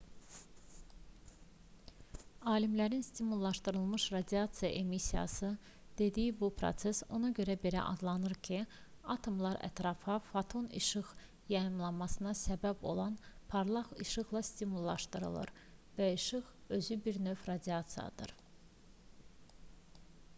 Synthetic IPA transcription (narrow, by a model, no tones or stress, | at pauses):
ɑːlimlæɾinst̪imulˠːɑʃt̪ɯɾɯlˠmɯʃɾɑd̪ʲiɑt̪sɨjɑ̰ʔe̞misijɑ̰sɯ | d̪̥e̞d̪ijibupʰɾo̞̰t̪se̞so̞̰nɑɟø̞ɾæbe̞ɾæ̰ʔɑ̰d̪lˠɑnɯɾcʰi | ɑt̪ʰo̞mlˠɑɾæ̰t̪ɾɑfɑfɑt̪ʰo̞nḭʃɯʁ | jɑjɯmlˠɑnmɑsɯnɑsæbæbo̞̰lˠɑnpʰɑɾlˠɑʁiʃɯɣlˠɑst̪imulˠːɑʃt̪ɯɾɯ̰lˠɯ̰ɾ | væiʃɯɣø̞zybiɾnø̞vɾɑd̪iɑt̪sɨjɑ̰d̪̥ɯ̰ɾ